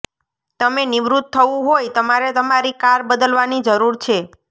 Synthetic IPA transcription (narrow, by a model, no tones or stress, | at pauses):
t̪əmenɪʋɾut̪̚ʰːəũɦojt̪əmaɾet̪əmaɾikaɾbəd̪əlʋanid͡ʒəɾuɾt͡ʃʰe